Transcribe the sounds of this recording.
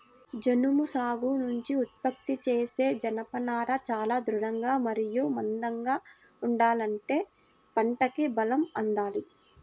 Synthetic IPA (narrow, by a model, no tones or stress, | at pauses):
d͡ʒɐnumusaːɡunuɲt͡ʃiut̪̚pɐkt̪it͡ʃeːse̞ːd͡ʒɐnɐpɐnaːɾɐt͡ʃaːlaːd̪ɾuɾɐŋɡaːmɐɾijumɐnd̪ɐŋɡaː | uɳɖaːlɐɳʈe̞ː | pɐɳʈɐkibɐlɐmɐnd̪aːli